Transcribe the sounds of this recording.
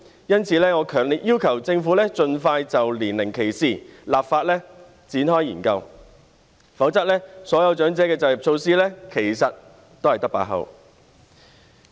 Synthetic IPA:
jɐ˥nt͡sʰiː˨˧lɛː˥ŋɔː˨˧kʰœː˨˩ŋliː˨˩t̚jiː˥wkʰɐ˨˩wt͡sɪ˧ŋfu˨˥lɛː˥t͡ʃɵ˧nfaː˧jt͡sɐ˨wliː˨˩nlɪ˨˩ŋkʰe˨˩jsiː˨˩laː˨p̚faː˧t̚lɛː˥ | t͡siː˨˥nhɔː˥jiː˨˩nkɐ˧w | fɐ˨˥wt͡sɐ˥lɛː˥sɔː˨˥jɐ˨˧wt͡ʃœː˨˥ŋt͡sɛː˨˥kɛː˧t͡sɐ˧jɐ˨˩p̚t͡sʰo˧wsiː˥lɛː˥kʰe˨˩jsɐ˨t̚ | t̪ːo˥whɐ˨jt̪ɐ˥kpa̰ː˧˥ɦɐ̰˨˧w

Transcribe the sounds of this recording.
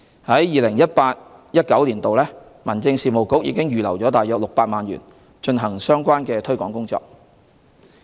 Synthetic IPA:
hɐ˨˥jjiː˨lɪ˨˩ŋjɐ˥t̚paː˧t̚jɐ˥t̚kɐ˨˥wliː˨˩nt̪o˨wlɛː˥ | mɐ˨˩nt͡sɪ˧ŋsiː˨˧mo˨˩wkʊ˨˥k̚jḭː˨˧˥kɪ˥ŋjyː˨lɐ̰˨˩wt͡ʃɔː˨˥t̪aː˨jœː˧t̚lʊ˨k̚paː˧t̚maː˨nɥy̰ː˨˩n | t͡ʃɵ˧nɦɐ˨˩ŋsœː˥ŋkʷaː˥nkɛː˧t̪ʰɵ˥ɥkɔː˨˥ŋkʊ˥ŋt͡sɔ̰ː˧k̚

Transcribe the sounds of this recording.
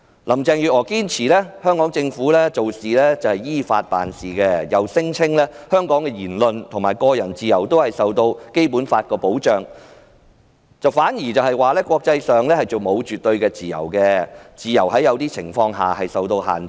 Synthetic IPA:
lɐ˨˩mt͡sɛː˧ŋjyː˨t̚ɔː˨˩kiː˥nt͡sʰiː˨˩lɛː˥hœː˥ŋkɔː˨˥ŋt͡sɪ˧ŋfuː˨˥lɛː˥t͡so˨wsiː˨lɛː˥t͡sɐ˨˩whɐ˨˩jjiː˥fa̰ː˧t̚pa̰ː˨nsiː˨˩kɛː˧jɐ˨wsɪ˥ŋt͡sʰɪ˥ŋlɛː˥hœː˥ŋkɔː˨˥ŋkɛː˧jiː˨˩nlɵ˨nt̪ʰʊ˨˩ŋmaː˨jkɔː˧jɐ˨˩nt͡siː˨jɐ˨˩wt̪o˥whɐ˨jsɐ˨wt̪o˧wke˥jpuː˨˥nfaː˧t̚kɔː˧po˨˥wt͡ʃœː˨˩ŋ | t͡sɐ˨wfaː˨˥njiː˨˩t͡sɐ˨wɦɐ˨jwaː˨˧lɛː˥kʷɔː˧k̚t͡sɐ˧jsœː˨ŋlɛː˥hɐ˨˩jt͡so˨wmo˨˧wt͡ʃyː˨t̚t̪ɵ˧ɥkɛː˧t͡siː˨jɐ̰˨˩wkɛ˧t͡siː˨jɐ˨˩whɐ˨˥jɐ˨˧wt̪iː˥t͡sʰɪ̰˨˩ŋfɔː˧ŋɦa̰ː˨ɦɐ˨jsɐ˨wt̪o˧wha̰ː˨˩n

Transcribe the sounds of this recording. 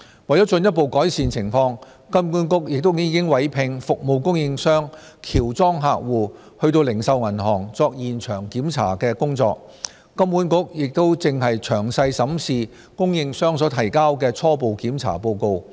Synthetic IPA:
wɐ˨jɔ˨˥t͡ʃɵ˧njɐ˥t̚po˨˧wkɔː˨˥jsiː˨nt͡sʰɪ˨˩ŋfɔː˧ŋ | kɐ˥mkuː˨˥nkʊ˥k̚jɪ˨k̚t̪o˥wjiː˧kɪ˥ŋwɐ˨˥jpʰɪ˧ŋfʊ˨k̚mo˨wkʊ˥ŋjɪ˧ŋsœː˥ŋ | kʰiː˨˩wt͡sɔː˥ŋɦaː˧k̚wuː˨ | hɵ˧ɥt̪o˧wlɪ˨˩ŋsɐ˨˧wŋɐ˨˩nɦɔː˨˩ŋt͡sɔː˧k̚jiː˨nt͡ʃʰœː˨˩ŋkiː˨˥mt͡sʰa̰ː˨˩kɛː˧kʊ˥ŋt͡sɔ̰ː˧k̚ː | ɐ˥mkuː˨˥nkʊ˥k̚jɪ˨k̚t̪o˥wt͡sɪ˨ŋɦɐ˨jt͡ʃʰœː˨˩ŋsɐ˧jsɐ˨˥msiː˨ | kʊ˥ŋjɪ˧ŋsœː˥ŋsɔː˨˥t̪ʰɐ˨˩jkaː˥wkɛː˧t͡sʰɔː˥p̬o˨˧wkiː˨˥mt͡sʰa̰ː˨˩po˧wko˧w

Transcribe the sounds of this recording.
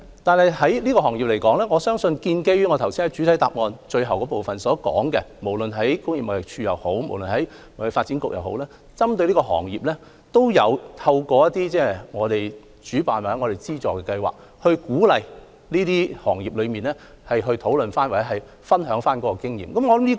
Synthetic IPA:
t̪aː˨nhɐ˨jɦɐ˨˥jliː˥kɔː˧ɦɔː˨˩ŋji˨p̚le˨˩jkɔː˨˥ŋlɛː˥ŋɔː˨˧sœː˥ŋsɵ˧nkiː˧nke˥jɥyː˨˥ŋɔː˨˧t̪ʰɐ˨˩wsi˥nhɐ˨˥t͡ʃy˨˥t̪ʰɐ˨˥jt̪a̰ː˨p̚ŋɔː˨nt͡ʃɵ˧ɥɦɐ˨wkɔː˨˥po˨wfɐ˨nsɔː˨˥kɔ̰ː˨˥ŋkɛ˧mo˨˩wlɵ˨nɦɐ˨˥jkʊ˥ŋji˨pmɐ˨˩jɪ˨k̚t͡ʃʰyː˧jɐ˨˩who˨˥wmo˨˩wlə˨nhɐ˨˥jm˨˩faː˧t̚t͡siː˨˥nkʊ˨k̚jɐ˨wɦo̰˨˥wlɛː˥ | t͡sɐ˥mt̪ɵ˧ɥliː˥kɔː˧ɦɔ̰ː˨˩ŋjiː˨p̚lɛː˥ | t̪o˥wjɐ˨˧wt̪ʰɐ˧wkɔː˧jɐ˥t̪̚iː˥t͡sɛː˥˩ŋɔː˨˧t̪e˨j | t͡ʃyː˨˥paː˨˩nwaː˨˩hŋɔː˨˧te˨˩t͡siː˥t͡sɔː˨kɛ˧kɐ˧jwa̰ː˨˩k̚ | hɵ˧kuː˨˥lɐ˨j | liː˥t̪iː˥hɔ̰ː˨˩ŋjiː˨p̚lɵ˨˧miː˨nlɛː˥ | hɐ˨jɦɵ˧ɥt̪ʰo˨˥wlɵ˨nfaː˥nwaː˨˩t͡sɛ˨˥ɦɐ˨˩j | fɐ˥nɦœː˨˥ŋfaː˥nkɔː˨˧˥kɔ˧kɪ˥ŋjḭː˨mkɐ˨˦mŋɔː˨˧ɐ˨˦mli˥

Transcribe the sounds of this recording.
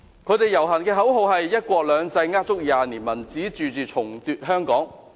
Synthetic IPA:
kʰɵ˧ɥt̪e˨jɐ˨˩wɦɐ˨˩nkɛː˧ɦɐ˨˥wɦo˨˧wɦɐ˨jːɐ˥t̚kʷɔː˧k̚lœː˨˧ŋt͡sɐ˧jŋaː˥t̚t͡sʊ˥k̚jaː˨niː˨˩nmɐ˨˩nt͡siː˨˥t͡ʃyː˨t͡syː˨t͡sʰʊ˨˩ŋt̪yː˨˧t̚ɦœː˥ŋkɔː˨˥ŋ

